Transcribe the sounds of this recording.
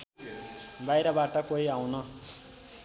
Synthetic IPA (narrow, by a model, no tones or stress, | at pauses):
bajɾʌbaʈʌkoiaw̃nʌ